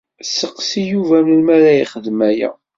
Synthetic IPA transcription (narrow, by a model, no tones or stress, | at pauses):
səqsijuvæməlmæɾæiχəðmæjæ̰